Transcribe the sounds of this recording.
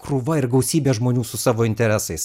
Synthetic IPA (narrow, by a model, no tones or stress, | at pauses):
kɾuːʋɐɪɾɡɐʊsʲiːbʲeːʒmoːnʲuːsʊsɑːʋoːɪnʲt̪ʲɛɾʲæːsɐɪs